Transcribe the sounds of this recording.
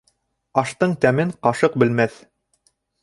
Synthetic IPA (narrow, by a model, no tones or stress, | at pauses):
ɑʃt̪ɤɴt̪æmɘɴqɑʃɤq̚bɘ̆lmæθ